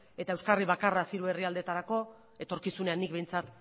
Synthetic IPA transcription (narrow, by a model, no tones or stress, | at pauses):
e̞t̪ae̞wskariβakarasiɾue̞riald̪e̞t̪aɾako̞ | e̞t̪o̞ɾkisune̞anːik̚βe̞jnt͡sat̪